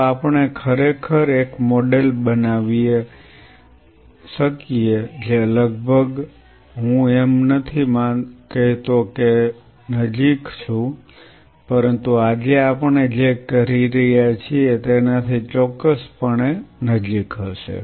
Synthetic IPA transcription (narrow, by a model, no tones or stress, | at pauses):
apəɳekʰəɾekʰəɾekmoɖelbənaʋie | ʃəkied͡ʒeləɡbʱəɡ | ɦũemnət̪ʰimãkəɦit̪oke | nəd͡ʒikt͡ʃʰũ | pəɾənt̪uad͡ʒeapəɳed͡ʒekəɾiɾəɦjat͡ʃʰiet̪enat̪ʰit͡ʃɔkːəspəɳenəd͡ʒikɦəʃḛ